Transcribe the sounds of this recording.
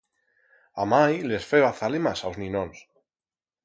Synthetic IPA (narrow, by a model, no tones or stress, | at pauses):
amajlesfeβaθalemasawznĩnõns